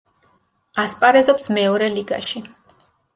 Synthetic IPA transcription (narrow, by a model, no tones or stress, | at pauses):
aspʼaɾɛzɔpsmɛɔɾɛliɡa̰ʃi